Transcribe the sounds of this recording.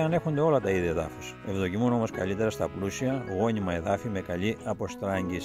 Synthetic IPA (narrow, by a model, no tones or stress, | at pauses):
ɐne̞xond̪e̞o̞lɐt̪ɐiðieðɐ̰fu̥se̞vðo̞cimuno̞mo̞skɐlit̪eɾɐst̪ɐplusiɐɣo̞nimɐe̞ðɐfime̞kɐʎiɐpo̞st̪ɾɐɲɟis